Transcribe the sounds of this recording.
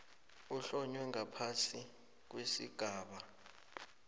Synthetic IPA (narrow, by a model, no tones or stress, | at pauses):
uɬɔɲwɛŋapʰasi | k̬wesḭɡ̥ʱaːɓa